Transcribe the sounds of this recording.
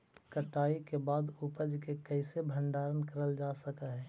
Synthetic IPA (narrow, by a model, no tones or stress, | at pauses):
kəʈaːikebaːd̪upəd͡ʒkekəɪsebʱə̃ɳɖaːɾənkəɾəld͡ʒaːsəkaɦɛː